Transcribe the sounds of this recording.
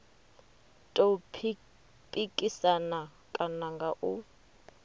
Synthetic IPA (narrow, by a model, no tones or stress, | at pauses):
tʼo | pʼikʼisana | kʼanaŋɡaʔu